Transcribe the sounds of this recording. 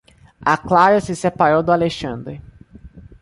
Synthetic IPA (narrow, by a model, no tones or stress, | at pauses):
aklaɾɐsɪsepaɾowd̪ʊaleʃɐ̃nd̪ɾɪ